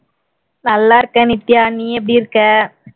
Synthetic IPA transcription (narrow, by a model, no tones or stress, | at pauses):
nɐlːaːɾɯkɐnɪt̪ːjaːnːiɛp̬ːɐɽiɪɾɯkːɐ